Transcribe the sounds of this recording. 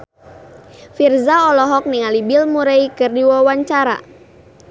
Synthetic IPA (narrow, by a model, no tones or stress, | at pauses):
firzaɔlɔɦɔk̚niŋalibilmuɾeikɨrdiwawaɲt͡ʃaɾa̰